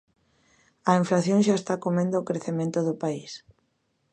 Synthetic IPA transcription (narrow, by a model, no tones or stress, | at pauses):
ɐiɱflaθjoŋʃaest̪akomẽnd̪ʊːkɾeθemẽnt̪ʊðʊpais